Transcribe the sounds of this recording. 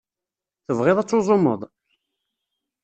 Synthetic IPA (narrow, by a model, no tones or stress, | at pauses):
θəvʁeðˤɑt͡sːozˤomːə̰ðˤ